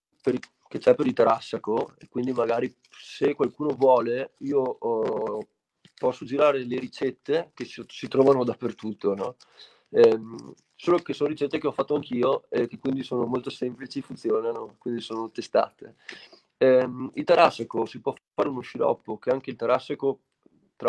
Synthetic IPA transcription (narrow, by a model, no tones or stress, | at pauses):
peɾ | k̟et͡ʃɛpeɾilt̪eɾasːakoekwind̪imaɡaːɾi | sekwalkuːnovwɔːleiːo | pɔsːod͡ʒiɾaːɾeleɾit͡ʃɛt̪ːekessit̪ɾɔːvanod̪apːert̪ut̪ːonɔ | ɛm | soːlokesoːnoɾit͡ʃɛt̪ːekeɔfat̪ːoaŋk̟iːoek̟ːekːwind̪isoːnomolt̪osɛmplit͡ʃifunt̪sjoːnanokwind̪isoːnot̪est̪a̰ːt̪e | ɛilt̪aɾasːakosipwɔ | aːɾeunoʃiɾɔ̰pːok̟eaŋk̟eilt̪aɾasːako | t̪ɾa